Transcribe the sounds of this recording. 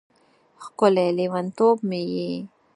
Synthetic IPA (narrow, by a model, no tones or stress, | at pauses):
xkʊlelewant̪obmeje